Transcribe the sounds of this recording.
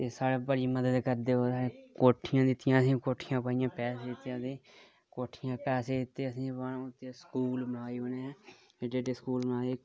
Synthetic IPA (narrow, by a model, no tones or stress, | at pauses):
t̪eːsaːɽeːbəɽiːməd̪əd̪kəɾd̪eːoːd̪aːeːkoːʈʰɪjãːd̪ɪt̪ɪjãːəsĩːkoːʈʰɪjãːpaːɪjãːpɛːseːd̪ɪt̪ːjãːt̪eː | koːʈʰɪjãːpɛːseːd̪ɪt̪ːeːəsĩːpəɳʊt̪ːeːskuːlbəɽaːiːɦoːneː | eɖeːɖeːskuːlbənaːeː